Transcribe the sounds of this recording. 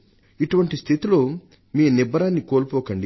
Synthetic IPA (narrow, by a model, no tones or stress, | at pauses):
iʈuʋɐɳʈist̪ʰit̪ilo̞ː | miːnibːɐɾaːnːikoːlpɔːkɐɳɖi